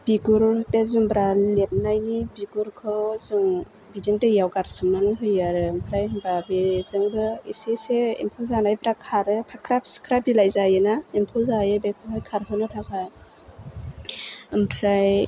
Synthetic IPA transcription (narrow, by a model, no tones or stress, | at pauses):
b̥iɡuɾbezumbɾalep̚najnibiɡuɾkʰɯzɯŋ | bidiŋtɯjawɡaɾsɯmːanɯŋɦɯjaɾɯɯmpʰɾajɯmbabezɯŋbɯiseseḭmpʰɔlzanajbɾakʰaɾɯpʰakʰɾap̚skʰɾabilajzajɯnaimpʰɔlzajɯbekʰɯhʰajkʰaɾɦʰɯnɯtʰakʰaj | ɯmpʰɾaj